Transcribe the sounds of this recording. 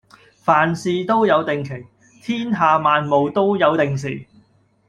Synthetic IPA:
faː˨˩nsiː˨˧t̪o˥wjɐ˨˧wt̪ɪ˨ŋkʰɪ˨˩ŋ | t̪ʰiː˥nɦaː˨˧maː˨˧nmo˨wt̪o˥wjɐ˨˧wt̪ɪ˨ŋs̬iː˨˩

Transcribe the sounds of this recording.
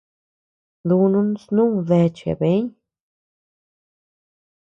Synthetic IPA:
d̪u˧nũ˦nsnũ˦ðe˧t͡ʃḛ˨be˨˦ɲ

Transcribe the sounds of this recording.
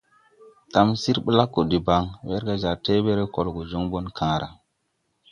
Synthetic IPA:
ta˨msi˦ɾɓə˦la˦kːo˨di˨ba˨˦ŋwe˦ɾɡa˨d͡ʒa˨te˦be˦ɾe˦ko˨lɡo˨d͡ʒo˦ŋbo˦nkʰãː˦ɾa̰˨

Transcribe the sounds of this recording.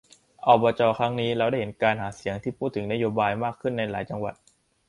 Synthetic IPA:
ʔɔː˨˧˩bɔː˧t͡ɕɔː˧kʰɾa˦˥ŋniː˦˥ɾa˧wda˥˩jɦe˩˦nkaː˧nɦaː˩˦si˨˩˦əŋt̪ʰiː˥˩pʰuː˥˩t̪ʰːɯ˩˦ŋna˦˥joː˧baː˧jmaː˥˩kʰːɯ˥˩nːa˧jla̰ː˩˦jt͡ɕa˧ŋwa̰˨˩t̪̚

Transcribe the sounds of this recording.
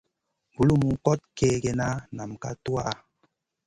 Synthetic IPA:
bu˨lu˦mu˨kɔ˦t̚ke˦ɡe˨na˦na˨mka̰˦tu˦a̰˦a˨

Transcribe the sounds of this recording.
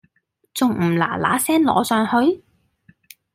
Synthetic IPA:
t͡sʊ˨ŋm̩˨˩la̰ː˨˩la̰ː˨˥sɛː˥nlɔ̰ː˨˧sœː˨˧ŋhɵ˧ɥ

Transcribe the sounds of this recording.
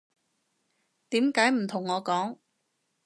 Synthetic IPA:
t̪iː˨˥mkaː˨˥jm̩˨˩t̪ʰʊ˨˩ŋːɔː˨˧kɔː˨˥ŋ

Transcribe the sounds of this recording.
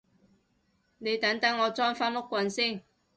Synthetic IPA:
ne˨˧jt̪ɐ˨˥ŋt̪ɐ˨˥ŋːɔː˨˧t͡sɔː˥ŋfaː˥nmʊ˥kʷːwɐ˧nsiː˥˩ŋ

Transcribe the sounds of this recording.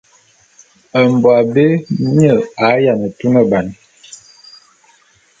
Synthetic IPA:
ə˨mbwa˨be˦ɲə˨a˨˦ja˨nə˨tu˦nə˦ba˨n

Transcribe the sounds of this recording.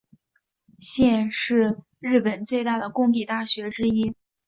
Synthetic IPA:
ɕjɛ˥˧nʂɻ̩˥˧ | ɻɻ̩˥˩pə˨˩nt͡swe˥˧ɪt̪a˥˩d̪ə˩kʊ˥˧ŋt̪i˥˩t̪a˥˩ɕɥɛ˧˥ʈ͡ʂɻ̩˥i˥

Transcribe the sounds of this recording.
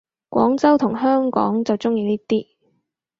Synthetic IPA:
kʷɔ̰ː˨˥ŋt͡sɐ˥wt̪ʰʊ˨˩ŋɦœː˥ŋkɔ̰ː˨˥ŋt͡sɐ˨wt͡sʊ˥ŋjiː˨˧liː˥t̪iː˥

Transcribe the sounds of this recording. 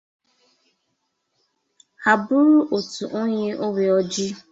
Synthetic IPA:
a˨bʊ˦ɾʊ˦ʔo˨tu˨ʔo˦ɲɪ˦ʔo˦we˨ɔ˦d͡ʒɪ˦

